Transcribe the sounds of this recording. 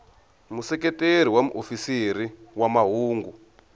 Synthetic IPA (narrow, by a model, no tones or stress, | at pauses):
musɛkɛteɾ̤iwamṵʔofisiɾiwamaɦuːŋɡu